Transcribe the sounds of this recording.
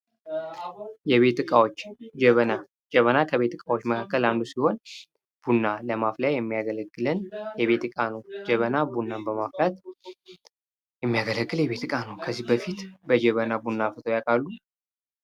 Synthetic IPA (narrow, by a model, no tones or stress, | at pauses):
jɛβe̞t̪ɨkʼawot͡ʃːd͡ʒəβəna | d͡ʒəβənakʰəβe̞t̪ɨkʼawot͡ʃːməkʰakːəland̪usiho̞n | b̥unːaləmafljajɛmːijaɡələɡːɨlənjɛβe̞t̪ɨkʼanowd͡ʒɛβənabunːanbəmaflat̪ | jɛmːijaɡələɡːɨljɛβe̞t̪ɨkʼanəwkʰəzːihbəfit̪bəd͡ʒɛβənabunːafɨt̪ʰojakʼalːu